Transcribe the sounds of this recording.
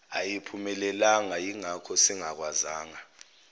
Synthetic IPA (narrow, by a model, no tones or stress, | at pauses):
a̰jipʰumɛlɛlaŋajiŋakʰɔsɛŋak̬wazaːŋa